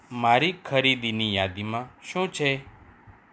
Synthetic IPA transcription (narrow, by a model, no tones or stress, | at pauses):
maːɾiːkʰəɾiːd̪iːniːjaːd̪iːmãːʃũːt͡ʃʰeː